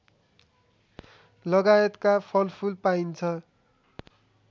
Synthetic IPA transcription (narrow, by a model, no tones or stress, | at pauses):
lʌɡajet̪kapʰʌlpʰulpaint͡sʰʌ